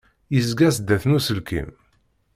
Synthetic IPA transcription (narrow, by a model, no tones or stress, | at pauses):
jizɡæsd̪ːæθnusəlkḭm